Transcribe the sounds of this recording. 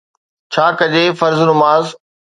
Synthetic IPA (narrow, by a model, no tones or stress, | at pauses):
t͡ɕʰaːkɐd͡ʑeːfɐɾznʊmaːz